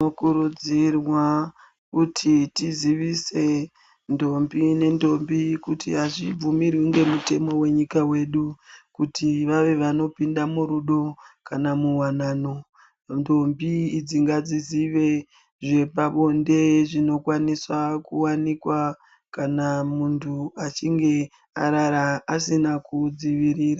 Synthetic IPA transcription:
okuɾud͡zirwa | kutʰitiziʋise̞ | ndo̞mbine̞ndo̞mbikutḭɦaʐib͡vumirwiŋɡe̞mute̞mo̞we̞ɲikawe̞ɗukutʰiʋaʋe̞ʋano̞pindamuɾuɗo̞kanamuwanaːno̞ | ndo̞mbiːd͡ziŋɡad͡ziziʋe̞ | ʐe̞paɓo̞nde̞ʐino̞kwaniswakuwanikwa | kanamuntʰuat͡ʃiŋɡe̞ | aɾaɾaːsinakud͡ziʋiɾiːra

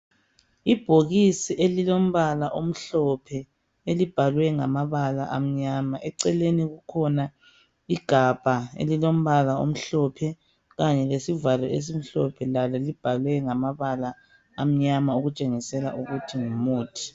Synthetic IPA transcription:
ib̥ʱoɣisiʔelilom̩βalaʔom̩ɬɔpʰɛ | elib̥ʱalwɛŋamaβala̰ʔam̩ɲamaʔɛǀɛleniɣukʰɔna | iɡ̥ʱab̥ʱaḛlilom̩βalao̰m̩ɬɔpʰɛ | ɣaɲɛlesivalɔes̬im̩ɬɔpʰɛlalɔlib̥ʱalwɛŋamaβalaː | m̩ɲamaoɣut͡ʃʼeŋisɛla̰ʔuɣutʰiŋumuːtʰi̥

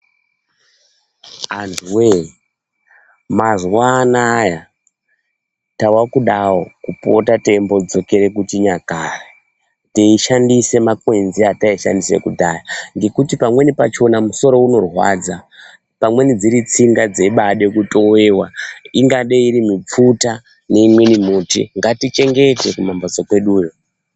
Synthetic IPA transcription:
antwe | mazwaːnaja | tawakuɗawokupo̞̰tate̞mbo̞d͡zo̞ke̞ɾe̞kutiɲakara | teiʃandise̞makwe̞nziataiʃa̰ndise̞̰kudʱajaŋɡe̞kutipamwe̞nipat͡ʃo̞namuso̞ɾo̞uno̞rwa̰d͡za | pamwe̞nid͡ziɾit͡siŋɡad͡zeiɓaɗe̞kuto̞we̞ːwaiŋɡaɗeiɾimip͡futa | ne̞imwe̞nimutḭŋɡatit͡ʃe̞ŋɡe̞te̞kumambad͡zokwe̞ɗuːjo

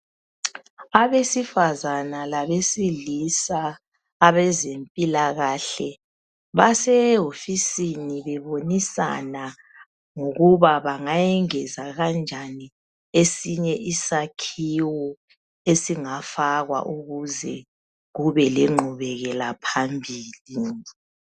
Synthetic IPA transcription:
aβesifazanalaβesilisaː | βɛzempʼilaɣaɬɛ | βasɛɦofisiniβɛβonisa̰na | ŋoɣuβaβaŋajɛŋɛzaɣand͡ʒʱani | esiɲɛʔisakʰiwɔ | esiŋafaɣwa̰ʔuɣuzɛ | ɣuβɛliŋ͡ǃʱuβɛɣɛlapʰambʱiːli

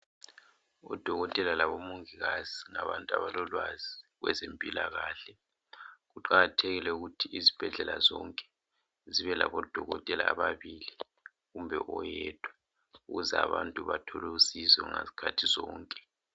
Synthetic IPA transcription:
ɔ̰d̥ʱɔɣɔtʼɛlalaβɔmuŋiɣaziŋaβantʼuaβalɔlwaziɣwɛ̰zempʼilaɣaːɬɛ | ɣuǃaɣatʰeɣilɛuɣutʰiizib̥ʱɛɮɛlazɔŋkʼɛ̥ | ziβɛla̰βɔd̥ʱɔɣɔtʼɛla̰ːβaβili | ɣumbʱɛʔɔjɛd̥ʰʼʱwa | uɣuzɛa̰βantʼuβatʰɔlɛusizɔŋa̰zi̥kʰatʰizɔːŋkʼɛ̥

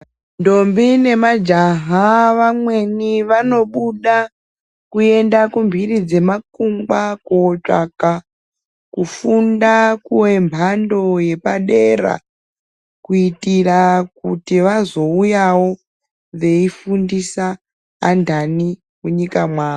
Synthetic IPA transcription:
ndo̞mbine̞mad͡ʒaɦaʋamwe̞niʋano̞ɓuɗa | kue̞ndakumbʱirid͡ze̞makumɡakoːt͡ʂa̰ka | kufundakuwe̞mbʱando̞je̞paɗe̞ra̰ | kuitirakutiʋazo̞ujawo̞ | ʋe̞ifundisaː | ndʱani | muɲikamwaː

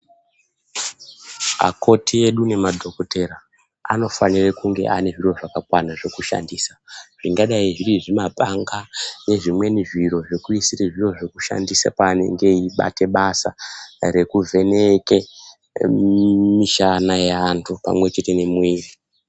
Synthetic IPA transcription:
a̰ko̞tʰie̞ɗune̞madʱo̞kote̞ɾa | a̰no̞fanirekuŋɡe̞̰ʔane̞ʐiro̞ʐakakwanaʐe̞kuʃa̰ndisaʐ̥iŋɡaɗaiʐiriʐimabʱaŋɡane̞ʐimwe̞niʐiɾo̞ʐekuisiriʐiro̞ʐekuʃa̰ndisa̰paːne̞̰ŋɡe̞iɓa̰te̞ɓasare̞kuvʱe̞ne̞ke | miʃanajantʰupa̰mwe̞t͡ʃe̞te̞ne̞muiːri

